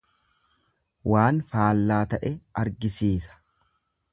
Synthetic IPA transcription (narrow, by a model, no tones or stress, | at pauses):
waːnfaːlːaːt̪ɐʔɛɐɾɡɪsiːsɐ̥